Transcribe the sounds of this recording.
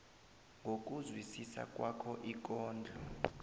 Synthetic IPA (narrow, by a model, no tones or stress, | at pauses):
ŋɡʱok̬ʼuzwisisa̰kʼwakʰɔʔik̬ʼɔːnd͡ɮʱɔ